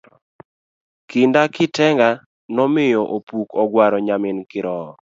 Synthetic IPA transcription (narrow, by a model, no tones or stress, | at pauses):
kɪndakɪtɛŋɡa | nɔmɪjɔʔopukɔɡwaɾɔɲamɪnkɪɾɔ